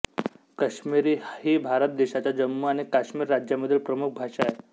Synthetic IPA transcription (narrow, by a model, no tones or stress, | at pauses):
kəɕmiɾiːhiːbʱaɾət̪̚d̪eɕat͡ɕad͡ʑəmːuaɽ̃ikaɕmiːɾːad͡ʑjaməd̪ʱiːlpɾəmuk̚ʰbʱaʂae